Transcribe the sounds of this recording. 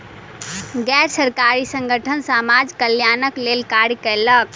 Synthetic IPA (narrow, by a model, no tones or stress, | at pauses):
ɡɛɾsəɾkaɾisə̃ŋɡʱəʈʰənsamad͡ʒkəljanəklelkaɾkəɪlək̚